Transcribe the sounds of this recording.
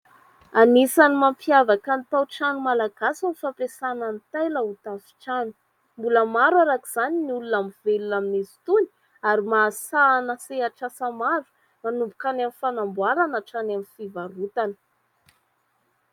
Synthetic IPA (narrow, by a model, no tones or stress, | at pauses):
anisanimampjavakant̪awʈ͡ʂanumalaɡ̥asunifapesanant̪ajləut̪afi̥ʈ͡ʂanu̥ | mbuləmaɾuaɾakiz̥aniniulunamivelunaminizi̥t̪uni̥ | aɾimaːsanəseaʈ͡ʂasamaɾu̥ | manumbukanamifanambwaɾanaʈ͡ʂanamifivaɾut̪anə̥